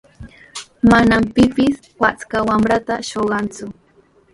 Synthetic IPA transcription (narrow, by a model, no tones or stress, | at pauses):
manampɪpɪs | wat͡skawamɾat̪aʃoɢɑnt͡sʊ